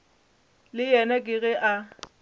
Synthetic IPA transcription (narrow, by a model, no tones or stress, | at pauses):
lɪjɛnakʼɪɣɛʔa